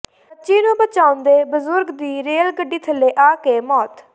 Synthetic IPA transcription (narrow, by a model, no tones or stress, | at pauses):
ətːʃiːnũːbət͡ʃaːʊnd̪eːbəzʊɾɡd̪iːɾeːlɡəɖːiːt̪ʰəlːeːʔaːkeːmɔːt̪